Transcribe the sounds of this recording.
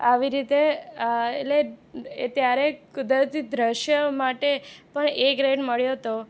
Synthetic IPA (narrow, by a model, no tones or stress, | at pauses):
aʋiɾit̪e | ḛleet̪jaɾekʊd̪ɾət̪id̪ɾəʃjəmaʈepəɳekɾeɖməɭjoɦt̪o